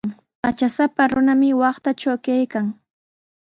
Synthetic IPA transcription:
ŋ | pat͡ʃasapaɾʊnamɪwɑχt̪at͡ʃawkajkaŋ

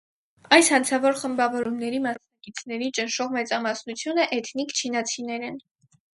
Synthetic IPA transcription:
ɑjshɑnt͡sʰɑvɔɾχəmbɑvɔɾumnɛɾimɑsnɑkit͡sʰnɛɾit͡ʃənʃɔʁmɛt͡sɑmɑsnut͡sʰjunəʔɛt̪ʰnikt͡ʃʰinɑt͡sʰinɛɾɛn

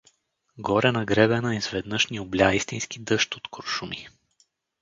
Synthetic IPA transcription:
ɡɔɾɛnɐɡɾɛbɛnəizvɛd̪nɤʃnioblʲjaist̪inskid̪ɤʃt̪ot̪koɾʃumi

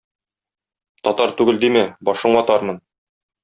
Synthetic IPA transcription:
t̪ɒt̪ɑɾt̪ʉɡɘld̪imɘbɒʃɤ̆ɴɒt̪ɒɾmɤn

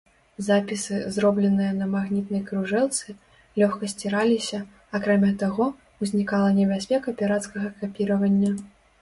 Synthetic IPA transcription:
zapʲisɨzɾɔblʲɛnɨjɐnɐmaɣnʲit̪nɐjkɾuʐɛlˠt̪sɨ | lʲɔxkɐsʲt͡sʲiɾalʲisʲɐ | akɾamʲat̪aɣɔ | uzʲnʲikalˠɐnʲɛbʲasʲpʲɛkɐpʲɛɾat̪skɐɣɐkapʲiɾɐvɐnʲːɐ

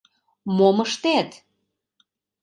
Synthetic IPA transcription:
moməʃt̪et̪

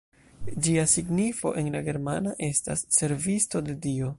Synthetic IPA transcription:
d͡ʒiasiɡnifo̞̰ʔe̞nlaɡe̞ɾmanaʔe̞sta̰sːe̞ɾvisto̞de̞dio̞

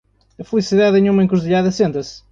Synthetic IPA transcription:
ɐfɨlˠisiðaðẽɲ̃umɐẽŋkuɾðʎaðɐsẽnt̪ɐs

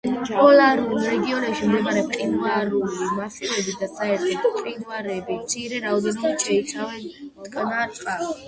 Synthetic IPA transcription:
pʼɔlaɾulɾɛɡiɔnɛpʃimd̪ɛmaɾɛqʼinvaɾulimafilɛbid̪asaɛɾt̪ʰɔqʼinvaɾɛbit̪sʼʰiɾɛɾaɔd̪ɛnɔbiʃɛit̪sʰavɛnt̪ʼkʼnaɾt̪qʼa

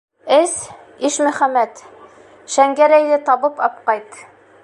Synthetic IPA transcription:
ɘs | iʃmɵ̆χæmæt̪ | ʃæŋɡæɾæjðɘt̪ɑβɤpɑp̚qɑjt̪

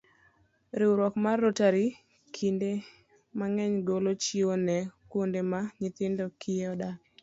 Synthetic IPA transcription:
ɾɪwɾɔkmarːotaɾi | kʰinde | maŋɛɲɡolot͡ʃionɛkondemaɲɪt̪ɪndɔkʰieɔdak

